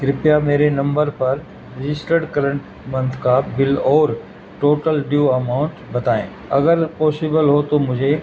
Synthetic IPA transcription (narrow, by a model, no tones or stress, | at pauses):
ɡɾɪpjameːɾenɐ̃mbəɾpɐɾ | ɾɪd͡ʑɪsʈəɖkɐɾəɳʈ | mɐ̃nt̪ʰkabɪlɔːɾ | ʈoːʈəlɖjuɐmaːʊ̃ɳʈbɐt̪aːḛ̃ː | ɐɡəɾpɔːsɪbəlɦot̪omʊd͡ʑʱe